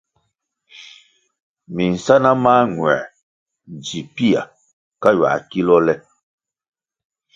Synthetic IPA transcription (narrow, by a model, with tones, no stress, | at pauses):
mi˨n̩˨sa˦na˦maː˦ŋwɛ̰˨ | d͡ʒi˨pi˦a̰˨ | ka˦ɥa̰˨ki˦lɔ˦lɛ˦